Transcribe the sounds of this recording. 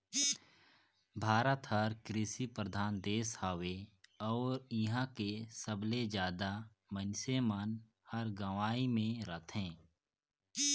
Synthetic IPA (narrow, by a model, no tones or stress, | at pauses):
bʱaːɾət̪həɾkɾɪsipɾəd̪ʱaːnd̪eːshaːweɔːɾɪɦãkesəbled͡ʒjaːd̪a | mənsemən | həɾɡəʋaːimẽɾət̪ʰẽː